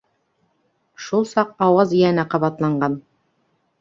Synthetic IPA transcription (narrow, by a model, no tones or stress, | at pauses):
ʃulˠsɑqɑwɑzĭjæ̆næqɑβɑt̪lˠɑɴɢɑn